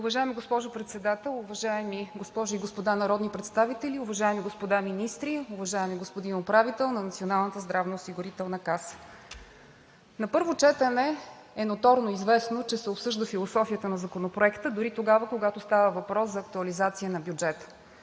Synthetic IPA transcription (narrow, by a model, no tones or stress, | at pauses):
ʊvɐʒaɛmiɡospɔʒʊpɾɛt̪sɛd̪at̪ɛlˠuvɐʒaɛmiɡospɔʒʊiɡospod̪anɐɾɔd̪nipɾɛt̪st̪avit̪ɛliʊvɐʒaɛmiɡospod̪aminist̪ɾiuvɐʒaɛmiɡospod̪inopɾavit̪ɛlˠnɐnɐt̪sionalˠnət̪əzd̪ɾavnoːsiɡʊɾit̪ɛlˠnəkasə̥ | nɐpɤɾvot͡ʃɛt̪ənɛ | ɛnot̪ɔɾnoizvɛsnot͡ʃɛsɛopsɤʒd̪əfilˠosɔfijət̪ənɐzɐkonopɾoɛkt̪əd̪ʊɾit̪oɡavəkoɡat̪ost̪avəvɐpɾɔszɐːk̚t̪uɐlizat̪siənɐbjud͡ʒɛt̪ə̥